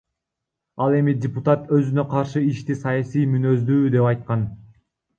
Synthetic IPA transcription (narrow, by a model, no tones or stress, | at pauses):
ɑlˠe̞midʲɪput̪at̪ø̞zynø̞qʰɑɾʃɯiʃt̪isɑjɑsijmynø̞zd̪yːd̪e̞pɑjt̪̚qɑn